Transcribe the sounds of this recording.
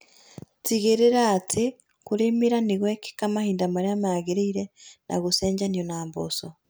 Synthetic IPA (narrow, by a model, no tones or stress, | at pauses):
tiɣeɾeɾaːtʰe | koɾemiɾaniɣweke̥kamahiːndamaɾeamaɣeɾeiɾena̰ɣoseːɲɟanjonaːmbo̰so